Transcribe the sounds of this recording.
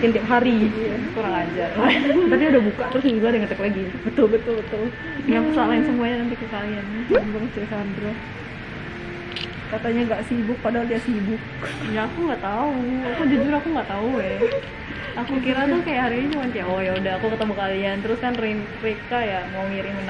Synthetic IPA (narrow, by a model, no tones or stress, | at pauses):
kɪnt̪iap̚ɦaɾikoɾaŋad͡ʒart̪ap̬iudahbukaʔt̪əɾʊs̬iɡadəŋət̪ɛklaɡibət̪ʊlbət̪ʊlbət̪ʊl | jaakusalaɪnsəmuaɲananp̪ikiskalianbaŋt͡ʃusandɾa | kat̪aɲaŋɡaʔsibʊk̚padaɦaldiasibʊk̚ | jaːkuŋɡaʔt̪auakud͡ʒud͡ʒuɾakuŋɡaʔt̪aujɛ | akukiɾat̪ukajaʔhaɾiiumant̪ijaʔojaudaɦakukət̪əmakaliant̪əɾʊskanren | rekajamaŋiɾimən